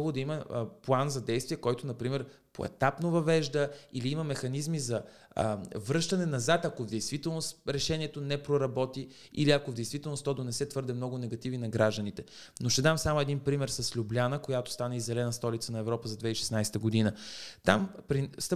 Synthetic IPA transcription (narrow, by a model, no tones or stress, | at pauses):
vˠod̪ɐiməplˠanzɐd̪ɛjst̪viɛkɔjt̪ʊnɐpɾimɛɾ | po̰ɛ̰t̪apnovɐvɛʒd̪əiliiməmɛxɐnizmizɐ | vɾɤʃt̪ɐnɛnɐzat̪ɐkovd̪ɛjst̪vit̪ɛlˠnosɾɛʃɛniɛt̪onɛpɾoɾɐbɔt̪i | ḭliɐkovd̪ɛjst̪vit̪ɛlˠnost̪ɔd̪onɛsɛt̪vɤɾd̪ɛmnɔɡʊnɛɡɐt̪ivninɐɡɾaʒd̪ənit̪ɛ | noʃt̪ɛd̪amsamʊɛd̪inpɾimɛɾsɐslʲublʲanəkojat̪o̥st̪anizɛlɛnəst̪ɔlit̪sənɐɛvɾɔpəzɐd̪vɛiʃɛ̥snajst̪əɡod̪inət̪a̰mpɾist̪